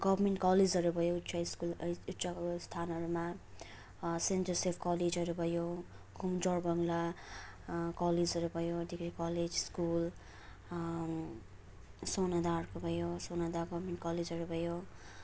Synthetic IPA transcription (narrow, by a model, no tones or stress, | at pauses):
ɡʌbmeɳʈkʌled͡zʌɾubʱʌjoutsʰaskulutːsast̪ʰanʌɾuma | senʈʌrsepʰkʌled͡zʌɾubʱʌjo | ɡʱumd͡zʌrbʌŋla | kʌled͡zʌɾubʱʌjod̪ikɾikʌled͡zskul | sonad̪arkobʱʌjosonad̪aɡʌbmeɳʈkʌled͡zʱʌɾubʱʌjo